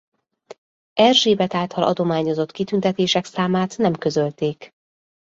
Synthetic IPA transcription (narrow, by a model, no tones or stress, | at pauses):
ɛrʒeːbɛt̪aːlt̪ɒlʔɒ̰d̪o̞maːɲo̞zo̞t̪kit̪ynt̪ɛt̪eːʃɛksaːmaːt̪nɛmkø̞zø̞lt̪eːk